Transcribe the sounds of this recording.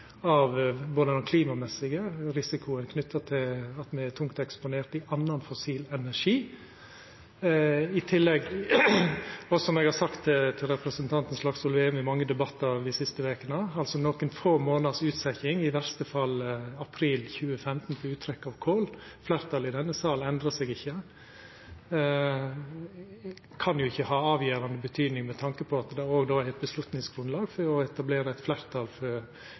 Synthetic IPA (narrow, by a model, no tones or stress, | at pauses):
ɑʋboːd̪ənɔkʰliːmɑmɛsɪɡəɾɪsɪkʰʊənkʰnʏt̪ʰːɑt̪ʰɪlɑt̪mɛɛt̪ʰʊŋkt̪ɛkspʊneːɾʈ̪ɪʔɑnːɑnfʊsiːlɛnæʂiː | ɪt̪ʰɪlːɛɡ | ɔsɔmɛɡhɑɾsɑkt̪t̪ʰɪlɾɛpɾəsənt̪ʰɑnt̪n̩slɑɡsɔlʋeːʉmɪmɑŋːəd̪ɛbɑt̪ːɑɾd̪ɪsɪst̪əʋeːkənəɑlsɔnoːkənfoːmoːnɑd̪sʉːt̪sɛçɪŋɪʋæɾst̪əfɑlɑpʰɾiːlçʉːəfɛmt̪n̩fʰɔʉːt̪ʰɾɛkːɑːʋkʰoːlflæːɾt̪ʰɑːlɪd̪ɛnːəsɑːlnɛnd̪ɾəsɛːɡɪçːə | kʰɑnjʊɪçːəhɑːɑːʋjeːɾɑnd̪əbət̪ʰyːd̪nɪŋmɛt̪ʰɑŋkəpʰɔɑt̪d̪ɛoːɡd̪oːæɾɛt̪̚bəslʉt̪nɪŋsɡɾʉnlɑːɡfɔɾɔɛt̪ɑbleːɾəæɪt̪flæːɾt̪ʰɑlfɔɾ